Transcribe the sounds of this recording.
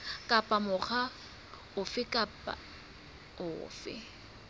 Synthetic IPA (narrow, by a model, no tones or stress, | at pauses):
kʼapʼamʊχa | ʊfɪkʼapʼa̰ | ʊ̰ːfɪ̰